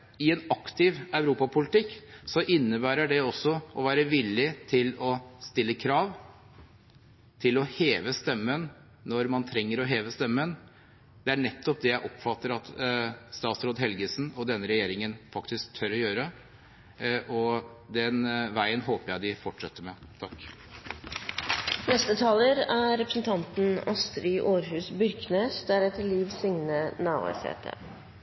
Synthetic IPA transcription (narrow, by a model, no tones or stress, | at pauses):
ɪɛnɑkt̪ɪʋɑʉɾuːpɑpʰʊlɪt̪ɪkːsɔʔɪnːəbæːɾəɖɛɔsːɔʔɔʋæːɾəʋɪlːɪt̪ʰɪlɔst̪ɪlːəkʰɾɑːʋ | t̪ʰɪlɔheːʋəst̪ɛmːənː | ɔɾmɑnt̪ʰɾɛŋːəɾɔɦeːʋəst̪ɛmːən | d̪̥ɛæɳɛt̪ːɔp̚d̪ɛjæɪʔɔpfɑt̪ːəɾɑt̪st̪ɑːt̪sɾoːd̪ɦɛlɡəsn̩ɔd̪ɛnːəɾɛjeːɾɪŋənfɑkt̪ɪsk̚t̪ʰœɾɔjøːɾə | ʔɔ | d̪ɛnʋæɪənhoːpəɾjæɪd̪ɪfɔʈʂɛt̪ːəmɛt̪ʰɑkː | nɛst̪ət̪ʰɑːləɾæːɛpɾəsn̩t̪ʰɑnt̪n̩ɑst̪ɾiːʔoːɾɦʉːsbʏɾkneːsd̪æɾɛt̪ːəliːʋsɪŋnənɑːʋɑ̰ɪshḛːt̪ʰə̰